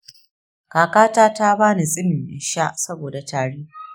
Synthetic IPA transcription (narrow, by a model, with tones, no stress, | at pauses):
kaː˨kaː˦taː˦ta˦baː˦ni˨sʼɪ˦mɪ˨mʔɪ̰˨nʃa˦ʔsɐ˦boː˨da˨taː˨ɽiː˦